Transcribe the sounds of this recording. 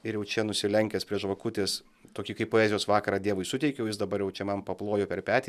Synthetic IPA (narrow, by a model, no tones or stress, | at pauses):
ɪɾjɛʊt͡ʃʲɛnʊsʲɪlʲɛŋʲkʲɛspʲɾʲiɛʃʋɐkʊt̪ʲeːs | t̪oːkʲikɐɪpoːɛːzʲɪjoːsʋɑːkɐɾɑːd̪ʲiɛʋʊɪsʊt̪ʲɛɪkʲɛjɛʊjɪsd̪ɐbɐɾjɛʊt͡ʃʲɛmɐnpɐplˠoːjoːpʲɛrpʲæːt̪ʲː